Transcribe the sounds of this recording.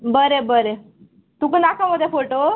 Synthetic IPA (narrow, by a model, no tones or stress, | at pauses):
bəɾebəɾe | t̪ukənakaməd̪ʱːjefoʈo